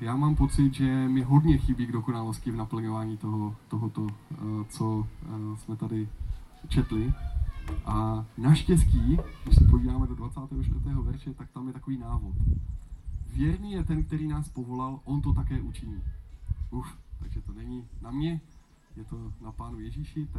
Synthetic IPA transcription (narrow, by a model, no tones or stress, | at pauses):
jaːmaːmpo̞t͡sɪt̪ʒɛmɪɦo̞dɲɛxɪbiːɡdoko̞nalo̞scɪvnapl̩ɲovaːɲiːt̪oɦot̪oɦot̪ot͡so̞smɛt̪adɪt͡ʃɛt̪lɪ | ʔanaʃcɛsciːɡdɪʃsɛpoviːdaːmɛdo̞dvat͡saːt̪ɛːɦoʃt̪vɾrt̪ɛːɦo̞vɛɾʃɛt̪ak̚t̪amjɛt̪akoviːnaːvo̞t̪ | vjɛɾɲiːjɛt̪ɛnk̚t̪ɛɾiːnaːspovo̞lalʔo̞nt̪o̞t̪akɛːʔut͡ʃɪɲiːʔuft̪aɡʒɛt̪onɛɲinamɲɛ | jɛt̪onapaːnujɛʒiːʃɪt̪a